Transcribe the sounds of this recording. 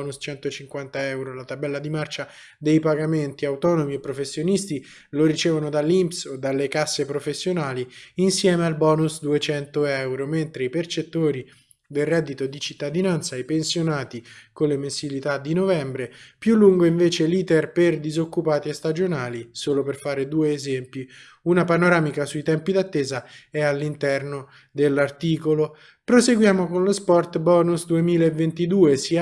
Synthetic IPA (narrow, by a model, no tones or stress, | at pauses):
nust͡ʃɛnt̪ot͡ʃiŋkwant̪aɛwɾolat̪abɛlːad̪imart͡ʃa | d̪ejpaɡament̪iawt̪ɔnomiepːɾofesːjonist̪i | loɾit͡ʃɛːvonod̪alːimpsod̪alːekasːepɾofesːjonaːliinsjɛːmealbɔːnusd̪uet͡ʃɛnt̪oɛwɾoment̪ɾeipert͡ʃet̪ːoːɾi | d̪elrɛd̪ːit̪od̪it͡ʃit̪ːad̪inant̪sajpensjonaːt̪ikonlːemensilit̪ad̪ːinovɛmbɾepjulːuŋɡoiɱveːt͡ʃeliːt̪erperd̪izokːupaːt̪iest̪ad͡ʒonaːlisoːloperfaːɾed̪uːeːzɛmpi | unapanoɾaːmikasuit̪ɛmpid̪at̪ːeːzaɛalːint̪ɛrno | d̪elːart̪iːkolo | pɾoseɡwjaːmokonlospɔrt̪bɔːnusd̪uemiːlaevːent̪id̪uːesi